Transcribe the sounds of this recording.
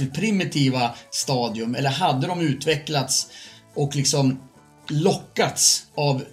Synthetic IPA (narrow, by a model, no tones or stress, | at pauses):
ɪpʰɾɪmɪt̪ʰiːvast̪ɑːd̪ɪɵmɛlːəɾɦad̪ːəd̪ɔmʉ̟ːt̪vɛklat̪sɔklɪksɔm | lɔkːat̪sav